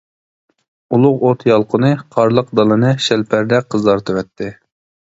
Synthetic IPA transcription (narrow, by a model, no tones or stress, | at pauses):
ulˠʊqot̪ʰjɑlˠqʰʊnɨqʰɑɾlˠəq̚d̪ɑlˠɨnɨʃɛlpʰæɾd̪ɛqʰəzd̪ɑɾt̪ʰɨwɛt̪ʰːɪ